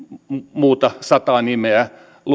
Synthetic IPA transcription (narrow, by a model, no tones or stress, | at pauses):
muːt̪ɑsɑt̪ɑːnimeæ | lu